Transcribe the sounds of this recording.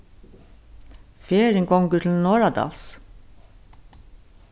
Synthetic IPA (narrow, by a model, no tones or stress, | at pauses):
feːɹəŋɡɔŋɡʉt̪ln̩noːɹɑd̪ɑ̰ːls